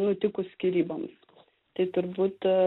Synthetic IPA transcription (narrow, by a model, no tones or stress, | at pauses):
nʊt̪ʲɪkʊsʲkʲiɾʲiːbɐm | t̪ɐɪt̪ʊɾbuːt̪